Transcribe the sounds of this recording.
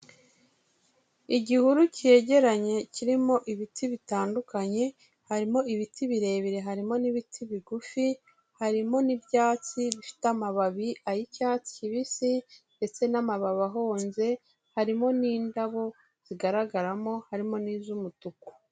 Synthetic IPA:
iɟihuɾucie̞ɟe̞ɾaɲe̞ciɾimo̞ʔiβitʰiβitaːndukaɲe̞ | haɾimo̞iβitiβiɾe̞ːβiɾe̞ɦaɾimo̞niβitʰiβiɡufi | haɾimo̞nibjaːt͡siβifi̥tamaβaβiʔajicaːt͡si̥ciβisinde̞t͡se̞namaβaβaɦo̞ːnze̞ | haɾimo̞niːndaβo̞ | z̥iɡaɾaɡaɾamo̞haɾimo̞niːzumutuku̥

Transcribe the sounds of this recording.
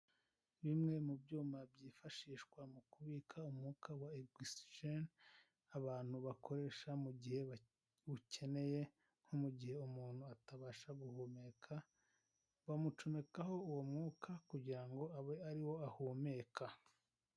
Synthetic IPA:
βimŋe̞mubɟuːmabɟiːfaʃiːʃkwamukuβiːkʰaumhuːkʰawaeɡisʒen | aβaːn̥huβakʰo̞ɾe̞ːʃamuɟihe̞ | ucʰe̞ne̞je̞ | n̥homuɟihe̞umuːn̥huataβaːʃaɡuhomeːkʰa | βamut͡ʃome̞kaɦo̞uwomŋuːkʰakuɟiɾaŋɡo̞aβeaɾiwo̞ahume̞ːkʰa

